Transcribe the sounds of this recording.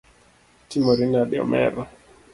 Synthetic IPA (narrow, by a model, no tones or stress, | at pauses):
timoɾinaɗɔ̰mɛ̰ɾa